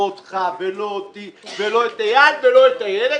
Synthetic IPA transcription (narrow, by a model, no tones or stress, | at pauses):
ot̪χavelot̪iveloet̪ajadvelo̞et̪ajede